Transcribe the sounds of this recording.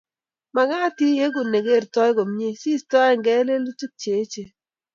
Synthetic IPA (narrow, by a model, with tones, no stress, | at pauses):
ma˨ɡa˦ti˦je˦ɡu˨ne˨ɡe˦˨ɾtɔ˦jɡo˨m˦ɲe˦si˦˨stɔ˦ɛ˦˨ŋɡɛ˦le˦lu˦t͡ʃu˦k̚t͡ʃe˨˦t͡ʃe˨